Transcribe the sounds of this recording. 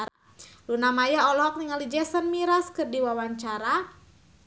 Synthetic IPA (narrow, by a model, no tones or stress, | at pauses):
lunamajaɔlɔk̚niŋalid͡ʒɛsənmiɾaskɨrdiwawaɲt͡ʃaɾa